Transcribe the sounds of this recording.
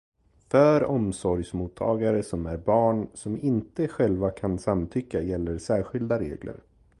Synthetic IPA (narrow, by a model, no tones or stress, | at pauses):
fœːɾɔmsɔɾjsmuːt̪ʰːɑːɡaɾəsɔmæɾbɑːɳsɔmɪnt̪əɧɛlvakʰansamt̪ʰʏkːajɛlːəɾsæːɾɧɪld̪aɾḛːɡlə̰ɾ